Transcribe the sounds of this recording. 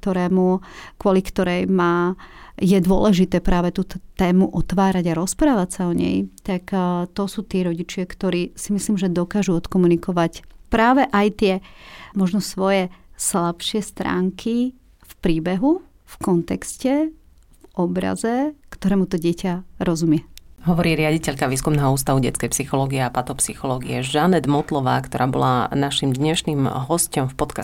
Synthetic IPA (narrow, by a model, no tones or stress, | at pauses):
t̪ɔɾɛːmukwʊɔlikt̪ɔɾɛjmaːjɛd̪ʊɔ̰lɛʒit̪ɛːpɾaːʋɛt̪uːt̪ɔt̪ɛːmuʔɔt̪ʋaːɾaɟaɾɔspɾaːʋacsaɔɲɛ̰jt̪akt̪ɔsuːt̪ɪɛɾɔɟit͡ʃɪakt̪ɔɾiːsimisliːmʒɛd̪ɔkaːʒuɔt̪kɔmunikɔʋacpɾaːʋɛʔajt̪ɪɛmɔʒnɔsʋɔjɛslapʃɪɛst̪ɾa̰ːŋkʰi | fpɾiːbɛɦu | fkɔnt̪ɛkscɛ | ʔɔbɾa̰zɛkt̪ɔɾɛːmut̪ɔɟɪɛcaɾɔzumɪɛɦɔʋɔɾiːɾɪaɟicɛʎkaʋiːskumnɛːɦɔuːst̪aʋuɟɛ̰t͡skɛjpsixɔlɔːɡiɛapat̪ɔpsixɔlɔːɡiɛʒanɛd̪mɔt̪lɔʋa̰ːkt̪ɔɾʔaːbɔ̰lanaʃimd̪ɲɛʃniːmɦɔscɔmfpɔt̪ka